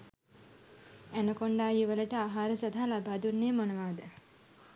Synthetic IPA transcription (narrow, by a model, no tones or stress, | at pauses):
ænəkoɳɖaːjuʋələʈəaːɦaːɾəsɐd̪ʱalabaːd̪unːeːmonɐʋaːd̪ə